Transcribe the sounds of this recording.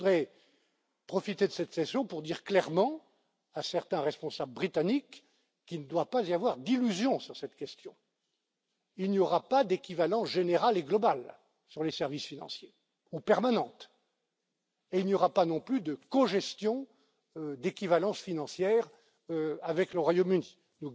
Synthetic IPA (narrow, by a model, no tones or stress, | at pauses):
ud̪ʁɛ | pχɔfit̪ed̪əsɛt̪sɛsjɔ̃puʁd̪iʁklɛʁmɑ̃ | asɛʁt̪ɛ̃ʁɛspɔ̃sabləbʁit̪anikː | ilnəd̪wapaziavwaʁd̪ilyzjɔ̃syʁsɛt̪kʲɛst̪jɔ̃ | ilnjɔʁapad̪ekʲivalɑ̃ʒeneʁaleɡlɔbal | syʁlesɛʁvisfinɑ̰̃sje | upɛʁmanɑ̃t̪ | eilnjɔʁapanɔ̃plyd̪əkɔ̃ʒɛst̪jɔ̃ | d̪ekʲivalɑ̃sfinɑ̃sjɛːʁ | øavɛkləʁwajomyni | nu